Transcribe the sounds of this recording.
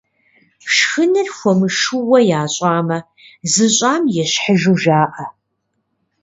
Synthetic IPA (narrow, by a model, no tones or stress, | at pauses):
ʂxɨnɨrxʷɔmɨʂuwɐjaːɕʼaːmɐ | zɨɕʼaːmjɛɕħəʒuʒaːʔɐ